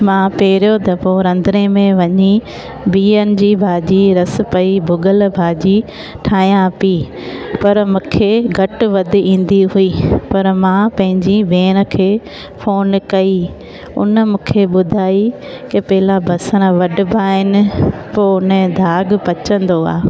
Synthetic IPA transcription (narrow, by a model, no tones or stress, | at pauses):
mãpeːɾjot̪ɐpoɾɐ̃nd̪ɾemẽʋɐɲi | biːənɪ̆d͡ʑiːbʱaːd͡ʑiɾɐs̆pɐibʱʊɡəlbʱaːd͡ʑi | ʈʰaːijãpi | pɐɾmʊ̃ːkʰeɡʱɐʈʋɐd̪ʱɪ̆ĩːn̆d̪iɦuiːpɐɾmãpɐ̃ɦɪ̃ɲd͡ʑibʱeːñə̆kʰeː | foːnkɐi | ʊ̰nəmũːkʰeɓʊd̪ʱaːi | kɐpɐɦɪlabʱɐsəñəʋɐɖɪ̆baːɦɪnɪ̆poːʊnd̪ʱaːɡpɐt͡ɕə̃nd̪oa̰ː